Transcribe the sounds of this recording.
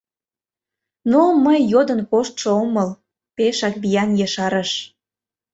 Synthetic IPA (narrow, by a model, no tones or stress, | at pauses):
noməjːod̪ənkoʃt̪ʃooməl | peʃɑkβijɑnjəʃɑɾəʃ